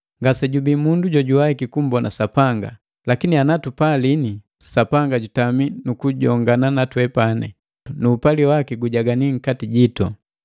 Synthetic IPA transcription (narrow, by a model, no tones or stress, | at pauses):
ŋɡasɛɟubimunduɟɔɟuwaikikum̩bɔnasapaŋɡa̰ | lakinianatupalini | sapaŋɡaɟutaminukuɟɔŋɡananatwɛpanɛ̰ | nuːpaliwakiɡuɟaɡaniŋ̩katiɟitɔ̰